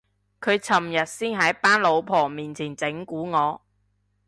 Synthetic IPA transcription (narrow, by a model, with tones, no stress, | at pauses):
kʰɵ˨˧ɥt͡sʰɐ˨˩mjɐ˨t̚siː˥nɦɐ˨˥jpaː˥nlo˨˧wpʰɔː˨˩miː˨nt͡sʰiː˨˩nt͡sɪ˨˥ŋkuː˨˥ŋɔː˨˧